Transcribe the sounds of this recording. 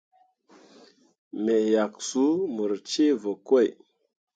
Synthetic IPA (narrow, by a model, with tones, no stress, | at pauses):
me˨ja˨ksu˦mu˨ɾt͡ʃe˦və˨kwo˦˨j